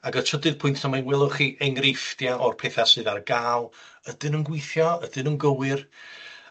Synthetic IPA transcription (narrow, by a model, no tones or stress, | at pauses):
aɡətʰədɨð̥pʰʊjntʰamajnwɛlˠʊχiːʔɛŋrɪfdjaʔɔrpʰɛːθasɨːðarɡaːlˠ | ədɨnənɡwɪjθjɔədɨnənɡəwɨr